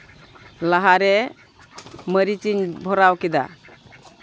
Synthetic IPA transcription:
laɦaɾɛ | məɾit͡ʃiɲbʱɔɾawkid̪a̰

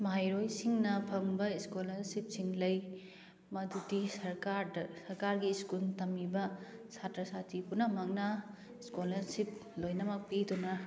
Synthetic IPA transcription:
majɾojsiŋnɐpʰɐŋbɐiskolɐɾsip̚siŋlɐj | mɐdudisɐɾaɾdɐsɐɾkaɾɡiskultɐmibɐsatɾɐsatʰipunɐmɐknɐ | iskolɐɾsiplojnɐmɐk̚pidunɐ

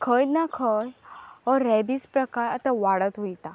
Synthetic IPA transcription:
kʰəj̪nakʰəjɔɾɾɛbispɾəkaɾat̪aʋaɽət̪ɦojt̪a

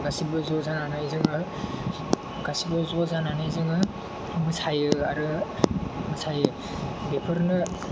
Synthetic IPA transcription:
ɡasibɯzɔzananajzɯŋa | ɡasibɯzɔzananajzɯŋɯ | mɯsajɯaɾɯ | mɯsʰajɯ | bepʰɯɾnɯ

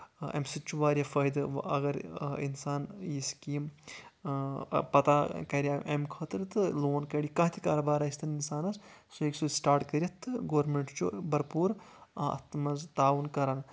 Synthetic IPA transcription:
ɐ̰msit͡ʃʰuʋaːɾʲjɐfɐjd̪ɨʋɐ̰ɡɐɾḭnsaːnjiskiːm | pɐt̪akɐɾʲaʔɐ̰mkʰɐt̪ɨɾɨt̪ɨloːnkɐɽikɐɦt̪ʰi̥kaːɾɐbaːɾɐsʲt̪ʰɐninsaːnɐsseksusʈaːɾʈkɐɾʲijɐt̪ʰːɨɡoːɾmeɳʈt͡ʃubɐɾpuːɾɐ̰t̪mɐzt̪aːʋunkɐɾan

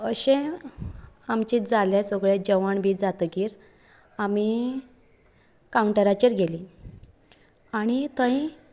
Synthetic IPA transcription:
əɕẽ | amt͡ɕiːd͡zaljasɔɡɭed͡ʑəʋaɳbʱiːd͡zat̪əɡiːɾ | ami | kauɳʈəɾat͡ɕəɾɡʱeli | aɽ̃it̪ə̃i

